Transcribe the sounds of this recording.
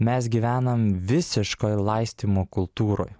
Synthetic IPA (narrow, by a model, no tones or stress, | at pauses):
mʲɛsɡʲiːʋʲæːnɐmʋʲɪsʲɪʃkojlˠɐɪsʲt̪ʲiːmoːkʊlˠt̪uːɾo̰j